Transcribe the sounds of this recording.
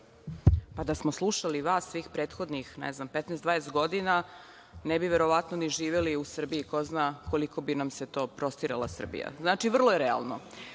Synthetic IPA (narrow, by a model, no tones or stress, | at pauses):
pad̪asmoslˠuʃaliʋaːsːʋiːxpɾe̞ːt̪xo̞d̪nixnɛ̰znampet̪nɛːsd̪ʋaːjest̪̚ɡo̞d̪ina | nebiʋeɾo̞ʋat̪noniʒiːʋeliusr̩biikoznako̞liko̞binamset̪o̞ːpɾo̞st̪iɾalˠasr̩bḭja̰znaːt͡ʃiʋr̩lˠojeɾɛa̰lˠno̞